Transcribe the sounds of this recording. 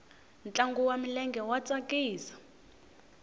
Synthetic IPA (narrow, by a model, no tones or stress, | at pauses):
nt͡ɬʼaŋɡuwamilɛŋɡɛwat͡sʼakiːsḁ